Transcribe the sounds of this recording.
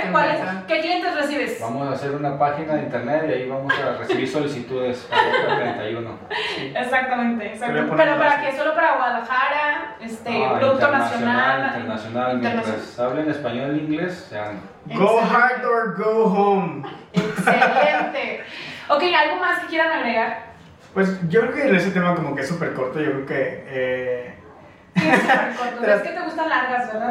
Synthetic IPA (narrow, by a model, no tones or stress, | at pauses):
kwaleskek̪ent̪eresiβesbamosaːse̞ɾunapaxinaðeint̪eɾnet̪iaiβamosaresiβiɾso̞lisit̪uðesaɾent̪ajuno̰esak̚t̪amẽnt̪eːsak̪popeɾopaɾakeso̞lo̞paɾaɣwaðaxaɾaest̪epɾoðuk̪t̪onassjonait̪eɾnasjonalmjennt̪ɾasaβlenespaɲoliŋɡleso̥sea | ɡoxajt̪oɹɡoɦõwmekselent̪eokejalɣomaske̥kje̞ɾaŋaɣɾeɣaɾ | pwes̬ɟ͡ʝokɾeokeenees̬et̪emakomokeesːupeɾkoɾt̪oʝo̞kɾeokee | eesuppeɾkoɾt̪oseesket̪e̞ɣust̪anlaɾɣazbeɾða